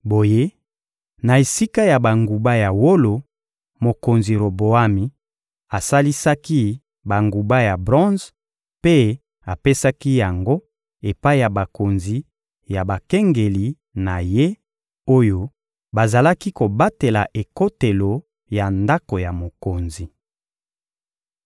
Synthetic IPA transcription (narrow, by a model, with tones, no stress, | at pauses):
bo˨je˦ | na˨e˨si˦ka˦ja˨ba˨ŋɡu˨ba˦ja˨wo˦lo˨ | mo˨ko˨nzi˨ʁo˨bo˨a˦mi˨ | a˨sa˦li˦sa˦ki˦ | ba˨ŋɡu˨ba˦ja˨bʁɔ̃˦nz | pe˦ | a˨pe˦sa˦ki˦ja˨ŋɡo˦ | e˨pa˦i˦ja˨ba˨ko˨nzi˨ | ja˨ba˨ke˦ŋɡe˨li˨ | na˨je˦ | o˦jo˦ | ba˨za˨la˦ki˦ko˨ba˦te˨la˨ʔe˨ko˦te˨lo˨ | ja˨nda˦ko˨ja˨mo˨ko˨nzi˨